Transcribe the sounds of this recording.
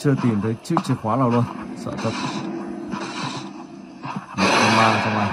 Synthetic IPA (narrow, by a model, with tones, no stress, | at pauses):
t͡ɕɨ˧ət̪i˨˩mt̪ʰə˨˦jt͡ɕɨ˦˥ək̚t͡ɕi˧˩xwaː˨˦naː˨˩wlnsə̰ː˧˨t̪ʰə˨˩p̚ | mə̰˧˨˩kə˧maː˧˨˩t͡ɕɔ˧ŋ͡mla˨˩